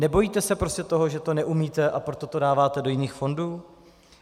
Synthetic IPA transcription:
nɛbo̞jiːt̪ɛsɛpɾo̞scɛt̪o̞ɦoʒɛt̪o̞nɛʔumiːt̪ɛʔapɾo̞t̪ot̪o̞daːvaːt̪ɛdo̞jɪniːxfo̞nduː

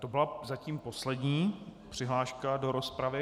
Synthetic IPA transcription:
t̪o̞bɪlazaciːmpo̞slɛdɲiːpr̥ɪɦlaːʃkado̞ɾospɾavɪ

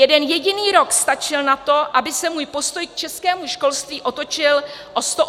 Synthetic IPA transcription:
jɛdɛnjɛɟɪniːɾo̞kst̪at͡ʃɪlnat̪o̞ʔabɪsɛmuːjpo̞st̪o̞jk̚t͡ʃɛskɛːmuʃko̞lst̪viːʔo̞t̪o̞t͡ʃɪlʔost̪o

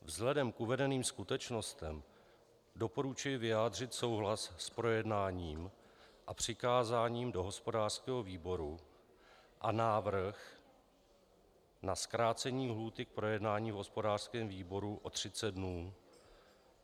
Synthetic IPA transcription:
vzɦlɛdɛmkʔuvɛdɛniːmskut̪ɛt͡ʃno̞st̪ɛm | do̞po̞ɾut͡ʃujɪvɪjaːdr̝ɪt̪so̞wɦlasːpɾo̞jɛdnaːɲiːm | ʔapr̝̥ɪkaːzaːɲiːmdo̞ɦo̞spo̞daːr̥skɛːɦo̞viːbo̞ɾu | ʔanaːvɾ̩x | naskɾaːt͡sɛɲiːɦluːt̪ɪk̚pɾo̞jɛdnaːɲiːvɦo̞spo̞daːr̥skɛːmviːbo̞ɾuʔo̞t̪r̝̥ɪt͡sɛd̪̚dnuː

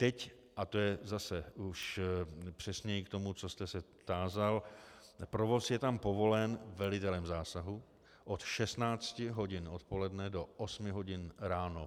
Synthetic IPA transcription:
t̪ɛc | ʔat̪o̞jɛzasɛuʃpr̝̥ɛsɲɛjikt̪o̞mut͡so̞st̪ɛsɛ | t̪aːzal | pɾovo̞sjɛt̪ampo̞vo̞lɛnvɛlɪt̪ɛlɛmzaːsaɦu | ʔot̪ʃɛst̪naːt͡scɪɦo̞ɟɪno̞t̪po̞lɛdnɛdo̞ʔosmɪɦo̞ɟɪnɾaːno

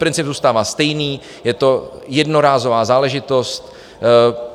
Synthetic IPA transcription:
pɾɪnt͡sɪbzuːst̪aːvaːst̪ɛjniː | jɛt̪o̞jɛdnoɾaːzovaːzaːlɛʒɪt̪o̞st̪

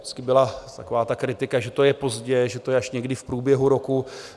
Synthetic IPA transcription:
ɪt͡skɪbɪlat̪ako̞vaːt̪akɾɪt̪ɪkaʒɛt̪o̞jɛpo̞zɟɛʒɛt̪o̞jɛaʃɲɛɡdɪfpɾuːbjɛɦuɾo̞ku

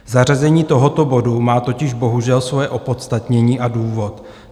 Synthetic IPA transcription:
zarazɛɲiːt̪o̞ɦo̞t̪o̞bo̞dumaːt̪o̞cɪʒbo̞ɦuʒɛlsvojɛʔo̞po̞t̪st̪at̪ɲɛɲiːʔaduːvo̞t̪

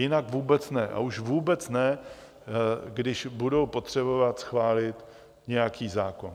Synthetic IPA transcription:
jɪnakvuːbɛt͡snɛʔa̰uʃvuːbɛt͡snɛ | ɡdɪʃbudo̞wpo̞t̪r̝̥ɛbo̞vat̪sxvaːlɪt̪ | ɲɛjakiːzaːko̞n

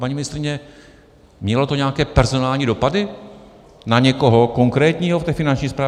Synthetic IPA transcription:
paɲiːmɪnɪst̪ɾɪɲɛ | mɲɛlo̞t̪oɲɛakɛːpɛɾzo̞naːlɲiːdo̞padɪ | naɲɛko̞ɦoko̞ŋkɾɛːt̪ɲiːɦoft̪ɛːfɪnant͡ʃɲiːspɾaː

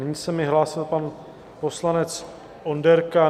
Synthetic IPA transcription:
nɪɲiːsɛmɪɦlaːsɪlpan | po̞slanɛt͡s | ʔondɛɾka

